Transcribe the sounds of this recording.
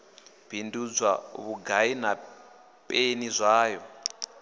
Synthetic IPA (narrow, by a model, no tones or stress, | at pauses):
b̥ʱindud͡zwaβuɡʱaina | pʼenizʷaːjɔ